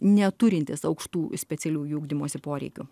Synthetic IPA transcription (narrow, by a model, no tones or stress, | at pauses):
nʲɛt̪ʊɾʲɪnʲt̪ʲɪsɐʊkʃt̪uːsʲpʲɛtsʲɛlʲuːjuːɡd̪ʲɪmoːsʲɪpoːɾʲɛ̰ɪkʲʊ